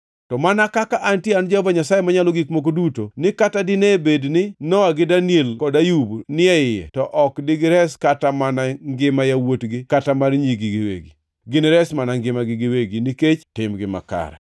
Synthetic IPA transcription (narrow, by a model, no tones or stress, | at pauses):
tɔmanakakaʔantjeand͡ʒahvaɲasajemaɲaloɡikmok̬odutonɪkatadɪnebednɪnɔaɡɪdanjelkɔdajubnɪɛɪjɛ̰tɔʔɔkdɪɡɪɾɛskatamanaŋɡɪmajawotɡɪkatamarɲiɡɪɡɪwḛɡi | ɡɪnɪɾɛsmanaŋɡɪmaɡɪɡɪweɡiniket͡ʃtɪmɡɪma̰ka̰ɾɛ̰